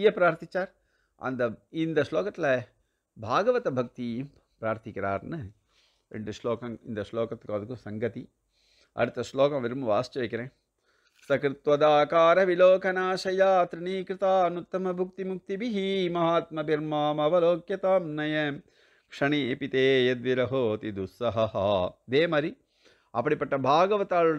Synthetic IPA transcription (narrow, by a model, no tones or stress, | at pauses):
jɐpɾaːɾt̪it͡ʃaːɾ | ɐ̰nd̪ɐind̪ɐʃloːkɐt̪lɐ | bʱaːɡɐʋɐt̪ɐbʱɐk̚t̪i | pɾaːɾt̪ʰikɐɾa̰ːɾnɐ | ḛɳɖiʃloːkɐmḭnd̪ɐʃloːkɐt̪kɐːd̪ɐkusɐŋɡɐt̪i | ɐ̰ɾit̪ɐʃloːkɐmʋiɾmɐʋa̰ːst͡ʃɐʋɐkɐɾe | sɐkɾɪt̪ʋɐd̪aːkaːɾɐʋiloːkɐnaːʃɐjaːt̪ɾiɳiːkɾɪt̪aːɐnut̪ːɐmɐbʱuk̚t̪imuk̚t̪ibiɦimɐɦaːt̪mɐbʱiɾmaːmɐʋɐloːkjɐt̪aːmnɐjɐm | kʂɐɳipit̪eːjɐd̪ʋiɾɐɦoːt̪id̪usɐɦɐhɐd̪eːmɐɾi | ɐ̰pɐɽipɐʈːɐbʱaːɡɐʋɐt̪aːl